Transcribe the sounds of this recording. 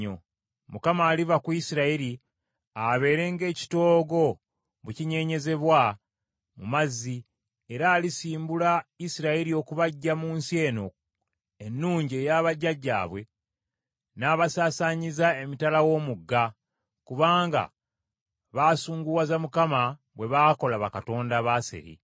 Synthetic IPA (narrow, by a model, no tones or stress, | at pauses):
o̰ | mukamaːlivakuisiɾaiɾi | aβe̞ːɾe̞ŋɡe̞ːci̥to̞ːɡo̞ | βuciɲe̞ːɲe̞ze̞βwa | mumazːi | e̞ɾaːlisiːmbulaisiɾaiɾio̞kuβaɟːamuːnsie̞ːno̞̰ | enːuːɲɟe̞ːjaːβaɟːaɟːa̰ːβwe̞ | naːβasaːsaɲizae̞mitalawo̞muɡːa | kuβaːŋɡa̰ | βaːsuːŋɡuwazamukama | βwe̞βaːko̞laβakato̞ːndaβasḛɾḭ